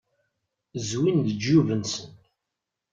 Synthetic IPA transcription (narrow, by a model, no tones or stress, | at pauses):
zwind̪əd͡ʒːuvənsən